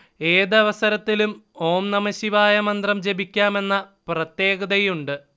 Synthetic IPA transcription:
e̞ːðɐʋɐsɐɾɐt̪ːilumo̞ːmnɐmɐɕiʋaːjɐmɐnd̪rɐmd͡ʑe̞bikʲːaːme̞nːɐprɐt̪je̞ːɡɐðɐjuɳɖɨ

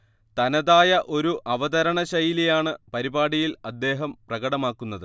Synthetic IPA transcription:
t̪ɐnɐðaːjɐʔo̞ɾuʔɐʋɐðɐɾɐɳɐɕɐjilijaːɳɨpɐɾibaːɽijilɐd̪ːe̞ːɦɐmprɐɡɐɽɐmaːkːunːɐðɨ

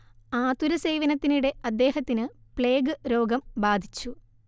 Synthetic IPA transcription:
aːt̪uɾɐse̞ːʋɐnɐt̪ːiniɽe̞ɐd̪ːe̞ːɦɐt̪ːinɨpɭe̞ːɡɨɾo̞ːɡɐmbaːd̪ʱit͡ɕːu

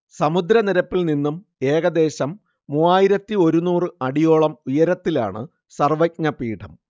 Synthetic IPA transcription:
sɐmud̪ɾɐniɾɐpːilninːum | e̞ːɣɐd̪e̞ːɕɐmː | uːaːjiɾɐt̪ːio̞ɾunuːrɨɐɽijo̞ːɭɐmujɐɾɐt̪ːila̰ːɳɨ̰ | sɐrʋɐk̚ɲɐpiːʈʰɐm

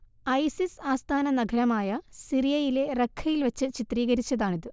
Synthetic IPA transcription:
ɐjsisaːst̪ʰaːnɐnɐɡʱɐɾɐmaːjɐsirijɐjile̞rekʰːɐjilʋɐt͡ɕːɨt͡ɕit̪riːɣɐɾit͡ɕːɐðaːɳiðɨ

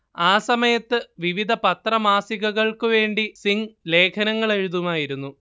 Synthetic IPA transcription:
aːsɐmɐjɐt̪ːɨʋiʋid̪ʱɐpɐt̪rɐmaːsiɣɐɣɐɭkɨʋe̞ːɳɖisiŋle̞ːkʰɐnɐŋːɐɭe̞ɻuðumaːjiɾunːu

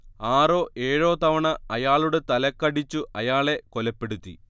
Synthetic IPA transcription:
aːro̞ːʔe̞ːɻo̞ːt̪ɐʋɐɳɐɐjaːɭuɽe̞t̪ɐlɐkːɐɽit͡ɕːuʔɐjaːɭe̞kolɐpːe̞ɽut̪ːḭ

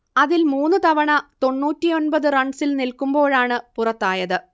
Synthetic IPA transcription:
ɐðilmuːnːɨt̪ɐʋɐɳɐt̪o̞ɳːuːtːijo̞nbɐðɨrɐɳɖsilnilkumbo̞ːɻaːɳɨpurɐt̪ːaːjɐðɨ

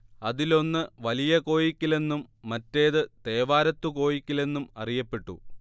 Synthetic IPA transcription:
ɐðilo̞nːɨʋɐlijɐko̞ːjikʲːile̞nːumːɐtːe̞ːðɨt̪e̞ːʋaːɾɐt̪ːuko̞ːjikʲːile̞nːumɐ̰rijɐpːe̞ʈːṵ

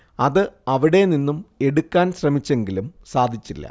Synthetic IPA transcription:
ɐðɨɐʋiɽe̞ninːume̞ɽukːaːnɕrɐmit͡ɕːe̞ŋɡilumsaːd̪ʱit͡ɕːilːɐ̰

